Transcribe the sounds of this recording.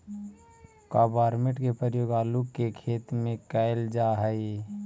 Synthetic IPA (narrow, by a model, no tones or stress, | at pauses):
kaːbaːɾmẽʈkepəjoːɡaːlukːekʰeːt̪mẽkaɪld͡ʒaɦəɪ